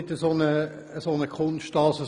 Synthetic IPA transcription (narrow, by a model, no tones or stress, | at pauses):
ɪt̪əsonə | əsonəkʰʊnʃtɑːsə